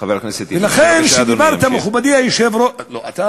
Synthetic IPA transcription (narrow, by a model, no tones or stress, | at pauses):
vekneset̪velaχenʃed̪ibaʁt̪ameχubad̪imajeʃevɾo